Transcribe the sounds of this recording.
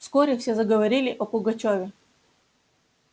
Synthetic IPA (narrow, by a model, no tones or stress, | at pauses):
skɔɾʲɛfsʲɛzɐɡɐʋɐɾʲilʲɪʔɔpʊɡɐt͡ɕɔvʲɪ